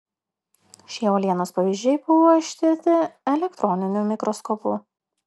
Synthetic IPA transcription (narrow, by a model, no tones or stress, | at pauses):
ʃʲiɛoːlʲiɛnoːspɐʋʲiːʒʲd͡ʒʲɛɪbʊʋoːɪʃʲt̪ʲɪɾʲt̪ʲɪɛlʲɛkt̪ɾʔɔnʲɪnʲuːmʲɪkɾɔskɔːpuː